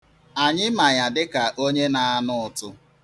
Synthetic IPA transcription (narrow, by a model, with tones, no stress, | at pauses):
a˨ɲɪ˦ma˨ja˨dɪ˦ka˨ʔo˦ɲe˦na˨a˦nʊ˦ʊ˨tʊ˦